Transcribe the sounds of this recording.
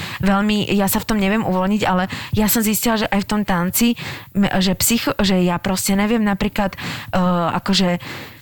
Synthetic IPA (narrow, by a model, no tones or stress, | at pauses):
ʋɛʎmijasaft̪ɔmɲɛʋɪɛmʔṵʋɔlɲiɟalɛjasɔmziscilaʒɛʔajft̪ɔmt̪ant͡si | ʒɛpsixʒɛjapɾɔscɛɲɛʋɪɛmnapɾiːklat̪ː | a̰kɔʒɛ